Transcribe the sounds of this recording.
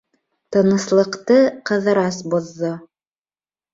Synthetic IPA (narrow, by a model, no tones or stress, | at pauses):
t̪ɤ̆nɤ̆slˠɤ̆qt̪ɤqɤ̆ðɤ̆ɾɑsboðːo